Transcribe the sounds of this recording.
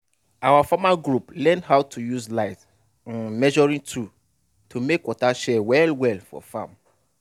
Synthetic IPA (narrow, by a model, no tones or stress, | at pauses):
awafamaɡɹuplɛ̃ndɦaʊtʰujuzlaɪt | ãnmɛʒɔɹĩtʰu | tʰumekwɔtaʃɛwɛlwɛlfɔ̰fã̰m